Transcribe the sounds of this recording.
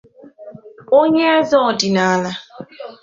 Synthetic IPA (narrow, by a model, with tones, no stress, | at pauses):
o˦ɲe˦a˦zɔ˦˨dɪ˨na˨˦la˦